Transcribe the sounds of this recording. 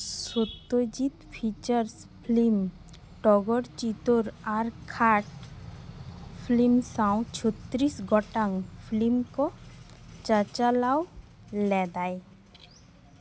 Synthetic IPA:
sot̪ːod͡ʑit̪pʰit͡ʃəɾspʰlim | ʈɔɡɔɽt͡ʃit̪oɾaɾkʰaʈ | pʰlimsaw̃t͡ʃʰɔt̪ːɾisɡɔʈaŋpʰlimkɔ | t͡ʃat͡ʃalaw | lɛd̪aj

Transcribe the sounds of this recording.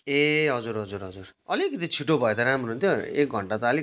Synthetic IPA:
eɦʌd͡zuɾɦʌd͡zuɾɦʌd͡zurʌlikʌt̪it͡sʰiʈobʱʌed̪ʌɾamrount̪ʰjoḛk̚ɡʱʌɳʈat̪ʌʌli

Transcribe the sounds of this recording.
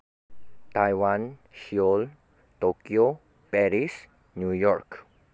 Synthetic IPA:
t̪ajwanʃiol | t̪okio | pɛɾis | nujɔɾk

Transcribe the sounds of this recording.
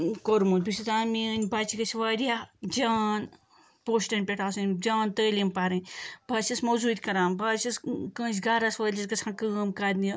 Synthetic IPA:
koɾmut̪̚bisit̪aːminʲbaːt͡ʃʰikɐsʰʲʋaːɾʲijad͡ʒaːn | poːʃʈɐnʲpʲeʈʰaːsɨnʲd͡ʒaːnt̪əːlʲimpaːɾɨnʲbaːt͡ʃʲɐsmɐzuːt̪ʲkɐɾãːmbaːt͡ʃɐskə̃ːsʲɡaːɾɐsʋɐːlʲisɡɐt͡sʰãnkɨmkaːd̪ni

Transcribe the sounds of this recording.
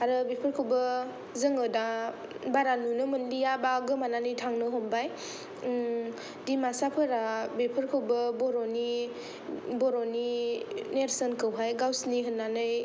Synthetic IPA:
aɾɯbepʰɯɾkʰɯwbɯ | zɯŋɯda | baɾanunɯmɯndijabaɡɯmananɯjtʰaŋnɯɦɔmbaj | dimasapʰɯɾabepʰɯɾkʰɯwbɯbɔɾɔni | bɔɾɔnineɾsənkɯwɦajɡawsniɦɯnːanɯj

